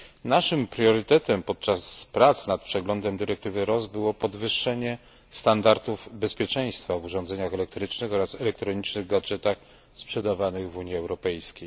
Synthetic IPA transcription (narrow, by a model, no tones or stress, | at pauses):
naʂɘmpɾʲjɔɾɘt̪ɛt̪ɛmpɔt̪̚t͡ʂaspɾat̪snat̪̚pʂɛɡlɔnd̪ɛmd̪ɘɾɛk̚t̪ɘvɘɾɔzbɘwɔpɔd̪vɘʂːɛɲɛ | st̪and̪aɾt̪uvbɛspʲjɛt͡ʂɛj̃st̪favuʐɔ̃nd̪zɛɲaxɛlɛk̚t̪ɾɘt͡ʂnɘxɔɾasɛlɛkt̪ɾɔɲit͡ʂnɘɣɡad͡ʐɛt̪ax | spʂɛd̪avanɘɣvuɲiɛwɾɔpɛjskʲej